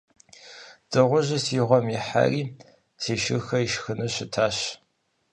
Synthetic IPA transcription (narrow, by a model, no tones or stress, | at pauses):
d̥ɨʁʷʊʒɪsiʁʷɔmiħa̰riː | tʰeːʃɨxɐiʃxɨnɐɕɪtʰaːɕ